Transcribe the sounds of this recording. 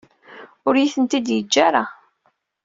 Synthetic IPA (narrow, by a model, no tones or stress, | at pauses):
ʊɾjiθənt̪id̪jəd͡ʒːaɾa